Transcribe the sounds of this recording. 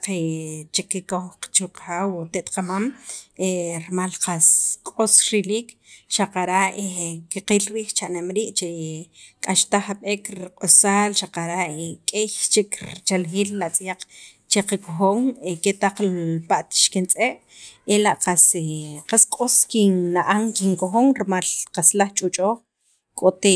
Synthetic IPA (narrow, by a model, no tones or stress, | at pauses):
qet͡ʃikːikoxqt͡ʃuqxaːwt̪eʔt̪qamameɾmalqaskʼosɾiliːk | ʃaqaɾaʔekiqiːlɾiːxt͡ʃaʔnemɾiːʔt͡ʃekʼaʃt̪aχaɓeːkɾqʼosaːlʃaqaɾaʔekʼejt͡ʃikt͡ʃalxiːlːaʔt͡sʼjaq͡χ | t͡ʃeqakoxoːŋeket̪aq͡χlpaʔt̪ʃkint͡sʼeʔ | elaʔqaseqaskʼoskinːaʔaŋkiŋkoxoŋɾmalqaslaχt͡ʃʼut͡ʃʼoːχ | kʼot̪e